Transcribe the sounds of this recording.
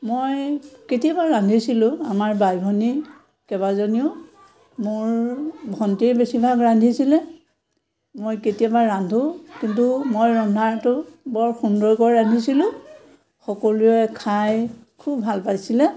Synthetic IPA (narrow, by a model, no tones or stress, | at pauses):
mojketijabaɹɹandʱisilʊ̃amaɹbajbʱɔni | kɛβazoniʊ | mʊɹbʱɔntijbesibʱaɡɹandʱisilɛ | mojketijabaːandʱukintumojɹɔndʱaɹtʊbɔɹxundɔɹkɔɹɹandʱisilʊ̃ | xɔkoluɛkʰajkʰubʱalpajsilɛ